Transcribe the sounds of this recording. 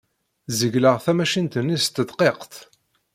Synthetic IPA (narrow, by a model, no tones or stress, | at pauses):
zəʝləʁθæmæʃint̪ənːist̪əd̪qeqt̪